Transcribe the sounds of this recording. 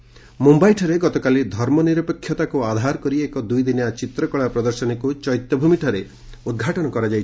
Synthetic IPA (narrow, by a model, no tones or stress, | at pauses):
mumbajʈʰɔɾeɡɔt̪ɔkalid̪ʱɔɾmɔniɾɔpɔkʰːjɔt̪akuad̪ʱaɾkɔɾiekɔd̪ujd̪injat͡ʃit̪ɾɔkɔɭapɾɔd̪ɔɾsɔnikut͡ʃɔjt̪jɔbʱumiʈʰɔɾe | ud̪̚ɡʱaʈɔnɔkɔɾad͡ʒajʰ